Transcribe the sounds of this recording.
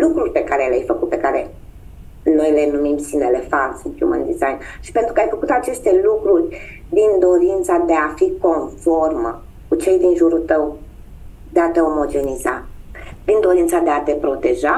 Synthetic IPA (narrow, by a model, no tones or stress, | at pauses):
lukɾurʲpe̞kaɾe̞leajfəkut̪̚pe̞kaɾe̞ | no̞jle̞numimsinele̞falsint̪jṵmə̰nd̪izajnʃi̥pe̞nt̪ɾukajfəkut̪at͡ʃe̞st̪e̞lukɾurʲ | d̪ind̪o̞ɾint̪sad̪e̞afiko̞nfo̞rmə̰ | kut͡ʃe̞jd̪inʒuɾut̪əw | d̪eat̪e̞o̞mo̞d͡ʒe̞nizapɾind̪o̞ɾint̪sad̪eat̪e̞pɾo̞t̪e̞ʒa